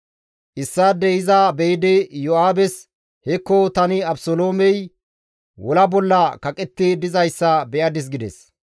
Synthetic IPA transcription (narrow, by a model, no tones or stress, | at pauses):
ʔɪsːad̪ɛɪzɐbɛjɪd̪ɪjɔaːbɛs | hɛkːɔt̪ɐnɪɐbsoloːmɛj | wɔlɐbɔlːɐkɐkʼɛt̪ːɪd̪ɪzɐjsːɐbɛʔɐd̪ɪs̬ɡɪd̪ɛ̰s